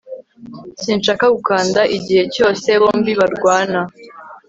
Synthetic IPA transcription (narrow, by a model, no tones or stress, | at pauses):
siːnʃakaɡukaːndaʔiɟihe̞co̞ːse̞βo̞ːmbiβaɾɡwaːna